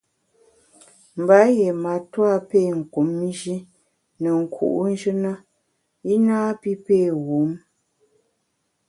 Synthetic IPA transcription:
m̩˨ba˨˦je˨ma˨twa˦˨peː˦˨ŋ̩˨ku˨˦mːi˦d͡ʒi˦ | nə˨ŋ̩˨kʰṵ˨ʔu˦n̩˦d͡ʒə˦na˦ | i˦naː˦pi˦pe˦˨ɣu˨˦m

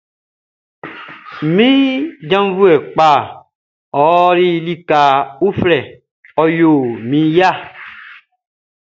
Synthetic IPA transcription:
mĩ˦d͡ʒã˦m˦vu˦ɛ˨k͡pa˦˨ | ɔ˨˦ɾi˦li˦ka˨u˦flɛ˨ | ɔ˨jo˨mĩ˨ja˦˨

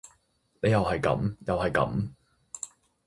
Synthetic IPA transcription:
ne˨˧jɐ˨whɐ˨jkɐ̰˨˥mjɐ˨whɐ˨˩jkɐ̰˨˥m

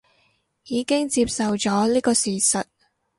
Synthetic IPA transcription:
jiː˨˧kɪ˥ŋt͡siː˧p̚sɐ˨wt͡sɔː˨˥liː˥kɔː˧siː˨sɐ˨t̚

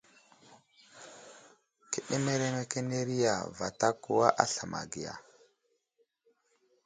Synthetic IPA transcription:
ki˦˨ɗi˦me˦ɾe˦me˦ke˦ne˦ɾi˦ja̰˨va˨ta˦ku˦wa˦ʔa˦ɬa˨ma̰˨ɡi˨ja̰˨

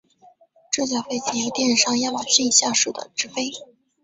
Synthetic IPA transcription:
ʈ͡ʂ̩˥˧t͡ɕjɑ˥˩ʊfe˥˩ɪt͡ɕʰɛ˧˥jo˥t̪jɛ˥˧nʂɑ˥˧ŋja˥ma˨˩ɕi˥˩i˨˩ɕja˥˧ʂɻ̩˥˩d̪ə̰˩ʈ͡ʂɻ̩˥fe˥ɪ

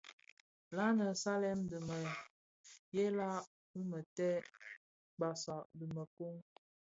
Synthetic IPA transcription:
la˦nə˨sa˦lɛ˦mdə˨mə˨ | jɛ˦la˦ | bə˦mə˨tɛ˦ | ɡ͡ba˨sa˨də˨mə˨ku˦ŋ

